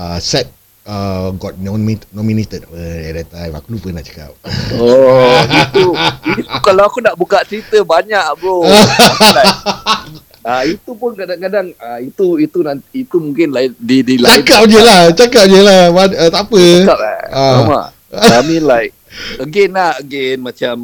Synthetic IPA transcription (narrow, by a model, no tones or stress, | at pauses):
asɛt̪̚ | əɡɔt̪̚nɔminɔ̃minet̪ət̚pəɛdat̪ajwa̰klupəna̰ʔt͡ʃḁka̰p̚oit̪uiukalawakunaʔbukaʔt͡ʃəɾit̪əbaɲaʔɡoaa | ait̪upʊnkadakadaŋait̪uit̪unant̪iit̪umũŋkɪnlaɪdidilaakap̚d͡ʒəlat͡ʃakap̚d͡ʒəlabaət̪apəakap̚a̰aama̰ʔ | amĩnlaɪ | əɡenahəɡenmat͡ʃam